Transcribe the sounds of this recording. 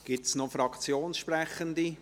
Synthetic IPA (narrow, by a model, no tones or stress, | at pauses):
ɡ̥ip̚tsnɔfɾɑkʰt͡sjoːnsʃpɾɛχənd̪i